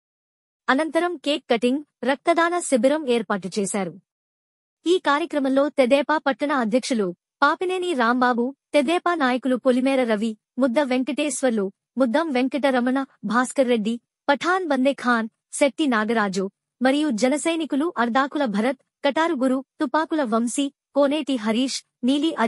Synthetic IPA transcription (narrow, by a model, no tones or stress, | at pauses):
ɐnɐnt̪ɐɾɐmkeːkːɐʈiŋɡɾɐk̚t̪ɐd̪aːnɐsibɐɾɐmeːɾpaːʈ̬ut͡ʃeːsaːɾu | iːkaːɾjɐkɾɐmɐmlo̞ːt̪ed̪ɛːpaːpɐʈːɐɳɐːd̪ʱjɐkʂɐlu | paːpineːniɾaːmbaːbut̪ed̪ɛːpaːnaːjɐkulukolimɛːɾɐɾɐʋi | mud̪ːɐʋeŋkɐʈeːsʋɐɾlu | mud̪ʱːɐmʋeŋkɐʈɐɾɐmɐnɐbʱaːskɐɾːeɖːi | pɐʈʰaːnbɐnd̪ekʰaːn | sek̚ʈinaːɡɐɾaːd͡ʒu | mɐɾijud͡ʒɛnɐsɐjnikuluʔɐɾd̪ʱaːkulɐbʱɐɾɐt̪̚ | kɐʈaːɾuɡuɾut̪upaːkulɐʋɐmsi | koːneːʈiɦɐɾiːʂ | niːliʔɐ